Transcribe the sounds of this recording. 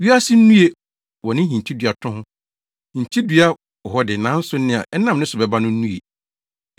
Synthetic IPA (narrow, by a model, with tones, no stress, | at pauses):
ɥi˦a˦sɪ˦n̩˦nũ˦e˨ | wɔ̃˨nɪ̃˦ɦĩ˨ɲ˨t͡ɕʰi˦dɥa˨tʰʊ̃˦hʊ̃˦˨ | ɲ̩˨t͡ɕʰi˦dɥa˦ | ɔ˨ɦɔ˦dɪ˨nã˨˦n̩˦sʊ˦n̩˦ɪ̃˦˨a̰˨ʔɛ˦nã˦m˨nɪ̃˦sʊ˨bɛ˨ba˦nʊ̃˦n̩ː˦nũ˦e˨